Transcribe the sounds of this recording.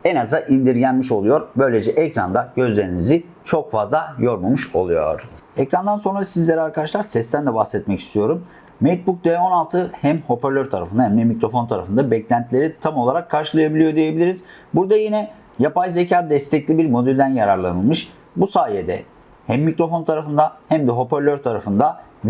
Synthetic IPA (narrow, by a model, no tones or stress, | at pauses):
ɛnazaʔind̪iɾɟænmiʃo̞lˠujo̞ɾbø̞jlʲed͡ʒɛʔɛcɾa̰nd̪aɟ̥ø̞zlʲeɾinizi | t͡ʃʰo̞kfazlˠajo̞ɾmumuʃo̞̰lˠujo̞̰ɾ̥ | ɛcɾand̪anso̞nɾasizlʲeɾaɾkʰad̪aʃlˠaɾsɛst̪ʰænd̪ɛbaxsɛt̪mɛci̥st̪ʰijo̞ɾumː | et̪̚buk̚d̪eo̞nalˠt̪ʰɯhæmho̞pæɾlʲøɾt̪ʰaɾa̰fɯnd̪ahɛmd̪ɛmicɾo̞fo̞nt̪ʰaɾa̰fɯnd̪abɛclʲænt̪ʰilʲe̞ɾit̪ʰamo̞lˠaɾakʰːaɾʃɯlˠajabilʲijo̞d̪ije̞bilʲiɾiz | buɾd̪ajinɛ | japajzecʰaːd̪ɛst̪ʰɛclʲibiɾmo̞d̪ylʲd̪ænjaɾaɾlˠanɯlˠmɯʃ | busaːjed̪ɛ | hæmːicɾo̞fo̞nt̪ʰaɾafɯnd̪ahæmd̪ɛɦo̞pæɾlʲøɾt̪ʰaɾafɯnd̪a